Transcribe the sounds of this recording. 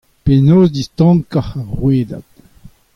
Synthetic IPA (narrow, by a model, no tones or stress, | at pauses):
penoːzd̪ist̪ɑ̃ŋkaχaʁʁweːda̰t̪